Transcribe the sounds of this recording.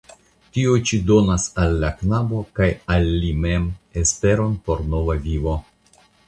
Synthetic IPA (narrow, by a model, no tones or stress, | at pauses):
tiot͡ʃido̞nasalːaknabo̞kajalːime̞mespe̞ɾo̞npo̞ɾno̞vavivo̞